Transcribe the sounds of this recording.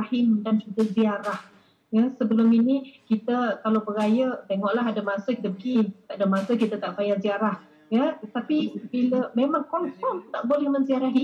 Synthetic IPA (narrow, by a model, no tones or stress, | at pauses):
ahɪmdant͡ʃuɡaziaɾah | jəsəbəlʊminikit̪əkalawbəɾajət̪eŋɔʔlaɦadəmãsəkit̪əpəɡit̪aʔdəmãsəkit̪ət̪aʔfajaziaɾah | jət̪apibiləmemaŋkɔnfɔnt̪aʔbolɛhmənziaɾaɦi